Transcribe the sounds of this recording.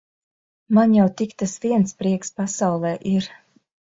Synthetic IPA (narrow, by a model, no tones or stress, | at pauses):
manjawt̪ikt̪asviɛnspɾiɛkspasawlˠɛːʔiɾ